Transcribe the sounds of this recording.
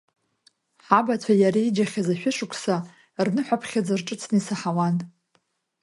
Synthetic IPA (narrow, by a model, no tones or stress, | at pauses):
ħabat͡sʷʰajaɾiid͡ʒaχʲazaʃᶣʊʂʊkʷʰsa | rnɨħʷapʰχʲad͡zarʈ͡ʂʼɨt͡sʰnɨisaħawan